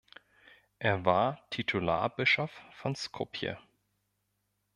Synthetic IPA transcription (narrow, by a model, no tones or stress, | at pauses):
ʔeːɐvaːɐtʰitʰula̰ːɐbɪʃɔffɔnskʰopʰjə̰